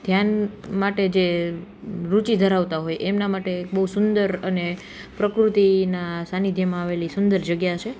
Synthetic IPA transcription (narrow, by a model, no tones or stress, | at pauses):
d̪ʱjanmaʈed͡ʒe | ɾut͡ʃid̪ʱəɾaʋt̪aɦojemnamaʈekbəɦusʊnd̪əɾəne | pɾəkɾut̪inasanid̪ʱjəmãaʋelisʊnd̪əɾd͡ʒəɡjat͡ʃʰe